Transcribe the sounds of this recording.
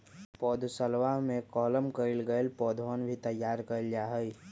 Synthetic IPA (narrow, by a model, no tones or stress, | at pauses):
pɔːd̪ʱsəlʋaɦmẽkɔːləmkəɪlɡəelpɔːd̪ʱɔːnbʱit̪əjːaːɾkəld͡ʒaːɦəi